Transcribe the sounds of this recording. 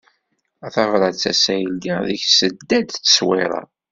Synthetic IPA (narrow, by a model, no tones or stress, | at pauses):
æθɑʁɾˤɑt͡sːæsæjəldæðəçsəd̪ːæd̪θə̥swɪɾˤɑ̰